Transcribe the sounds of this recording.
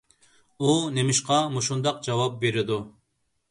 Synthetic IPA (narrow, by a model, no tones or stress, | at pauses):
unemɪʃqɑmuʃund̪ɑq̚d͡ʒɑwɑp̚beɾɪd̪u